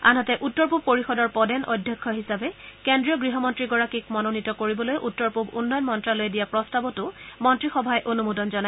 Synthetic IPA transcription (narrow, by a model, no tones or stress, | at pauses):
a̰nɦɔtɛʔutːɔɹp̬ub̚poɹixɔdɔɹpɔdɛnʔɔ̰dʱjɔkʰːɔɦisabɛkendɹijɔɡɹiɦɔmɔntɹiɡɔɹakikmɔnonitɔkoɹibɔlojʔutːɔɹpubṵnːɔjɔnmɔntɹalojdijapɹɔstabɔtʊmɔntɹixɔbʱajʔonumudɔnzɔna